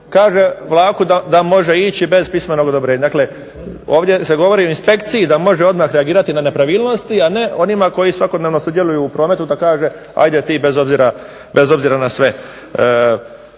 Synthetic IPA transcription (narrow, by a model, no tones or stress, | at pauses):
kaːʒe̞ʋlˠaːkud̪ad̪amo̞ʒe̞it͡ɕibe̞zpismeno̞ɡod̪obɾeːɲad̪aːkle̞ | o̞ːʋd̪ʲje̞se̞ɡo̞ʋo̞ɾioinspe̞kt̪sijid̪amo̞ʒeo̞d̪maːxɾeaɡiːɾat̪inane̞pɾaʋiːlˠno̞st̪iane̞ʔo̞nimako̞jisʋako̞d̪neʋno̞sud̪je̞lˠujuːpɾo̞ːme̞t̪ud̪akaːʒe | a̰jd̪et̪iːbe̞zo̞bziɾa | bezo̞bziɾanasʋe̞